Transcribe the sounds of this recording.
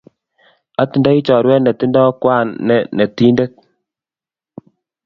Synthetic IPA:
a˦ti˨˦nda˦i˦t͡ʃɔ˨ɾwɛ˦ne˨ti˦ndɔ˦kwa˦˨nːɛ˨ne˨ti˦nde˦k̚

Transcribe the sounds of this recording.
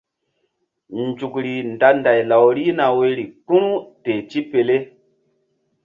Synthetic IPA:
n˨d͡ʒu˨kɾi˨nda˨˦nda˨jla˨wɾi˦na˨we˦ɾi˨k͡pu˦nu˦te˨t͡ʃi˦pe˨le˦

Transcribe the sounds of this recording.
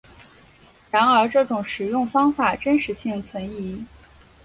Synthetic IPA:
ɻa˧˥nə˞˧˥ʈ͡ʂɤ˥˩ʈ͡ʂʊ˨˩˦ŋʂɻ̩˨˩jʊ˥˩ŋfɑ˥ŋfa˨˩ʈ͡ʂə˥nʂɻ̩˧˥ɕi˥˩ŋt͡sʰwə˧˥ni˧˥

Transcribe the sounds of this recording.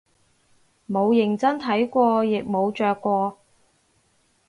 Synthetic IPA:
mo˨˧wjɪ˨˩ŋt͡sɐ˥nt̪ʰɐ˨˥jkʷɔː˧jɪ˨k̚mo˨˧wt͡ʃœː˨kːʷɔː˧

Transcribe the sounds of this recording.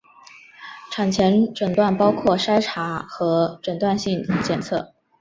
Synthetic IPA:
ʈ͡ʂʰa˨˩nt͡ɕʰjɛ˧˥nʈ͡ʂə˨˩nt̪wa˥˩npɑ˥ʊkʰwɔ˥˩ʂa˥ɪʈ͡ʂʰa˧˥xɤ˧˥ʈ͡ʂə˨˩nt̪wa˥˧nɕi˥˩ŋd̪ə˩t͡ɕjɛ˨˩nt͡sʰɤ̰˥˩

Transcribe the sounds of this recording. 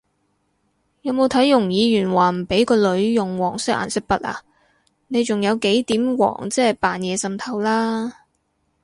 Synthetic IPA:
jɐ˨˧wmo˨˧wt̪ʰɐ˨˥jːʊ˨˩ŋjiː˨˧jyː˨˩nwaː˨˩m̩˨˩pe˨˥jkɔː˧lɵ˨˧ɥjʊ˨˩ŋwɔː˨˩ŋsɪ˥k̚a̰ː˨˩nsɪ˥k̚pɐ˥t̚ʔa̰ː˨ | ne˨˧jt͡sʊ˨ŋjɐ˨˧wke˨˥jt̪iː˨˥mwɔ̰ː˨˩ŋt͡sɛː˥paː˨njɛː˨˧sɐ˨mt̪ʰɐ˨˩wlaː˥

